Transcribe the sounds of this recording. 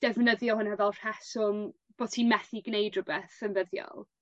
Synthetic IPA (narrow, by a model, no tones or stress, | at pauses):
d̥ɛvnəðjɔhʊnhɛvɛlˠr̥ɛsʊm | b̥oːdtʰiːnmɛθiɡnejdrʊbɛθənvəðjɔ̰lˠ